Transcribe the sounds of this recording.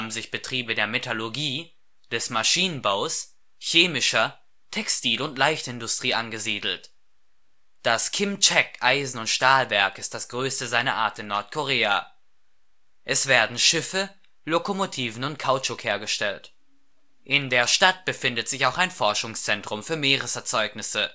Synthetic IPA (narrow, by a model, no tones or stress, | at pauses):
bn̩zɪçb̥ətʁ̥iːbədeːɐmetoloɡiː | d̥ɛsmaʃiːnənbaʊs | çeːmɪʃɐ | tʰɛkstiːlʊntlaɪçtɪndʊstʁ̥iːʔanɡəziːdl̩t | d̥askʰɪmt͡ʃɛkʔaɪzn̩ʊntʃtaːlvɛɐkɪstd̥asɡ̥ʁøːstəzaɪnɐʔaːɐtɪnːɔɐtkʰoʁeːa | ʔɛsv̥eːɐdn̩ʃɪfə | lokomotʰiːvn̩ʊntkʰaʊt͡ʃʊkheːɐɡəʃtɛlt | ʔɪndeːɐʃtat̚b̥əfɪndətz̥ɪçaʊxaɪnfɔɐʃʊŋst͡sɛntʁ̥ʊmfyːɐmeːʁəsɛɐt͡sɔʏknɪsə